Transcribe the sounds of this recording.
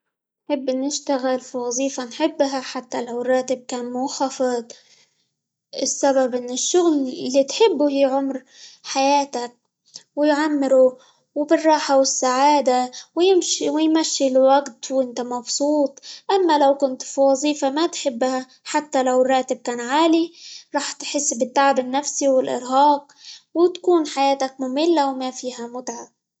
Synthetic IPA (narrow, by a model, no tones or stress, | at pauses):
nħɪbːʔɪnːɪʃt̪aɣɪlfiwɑzˤiːfanħɪbːɦaħat̪ːalawrˤːɑːt̪ɪb̚kaːnmʊxafɪd̪ˤ | ʔɪsːababʔɪnːɪʃːʊɣlɪlːit̪ħɪbːuhiːʕʊmɾ | ħajaːt̪ak̚ | wɪjʕamːɪɾu | wbɪrˤːɑːħawɪsːaʕaːd̪awjɪmʃiwɪjmaʃːilwaɡt̪wʔɪnt̪amɑbsˤuːt̪ˤʔamːalawkʊnt̪fiwɑzˤiːfamat̪ħɪbːha | ħat̪ːalawrˤːɑːt̪ɪb̚kaːnʕaːliɾˤɑːħt̪ħɪsːbɪt̪ːaʕabɪnːafsiwɪlʔɪ̰ɾɦɑːq̚ | wɪt̪ḁkuːnħajaːt̪ak̚mʊmɪlːawmafiːɦamʊt̪ʕa